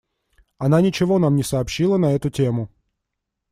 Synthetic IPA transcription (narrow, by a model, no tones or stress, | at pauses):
ɐnanʲɪt͡ɕɪvo̞namnʲɪsɐːpɕːilˠənɐɛt̪ʊtʲemʊ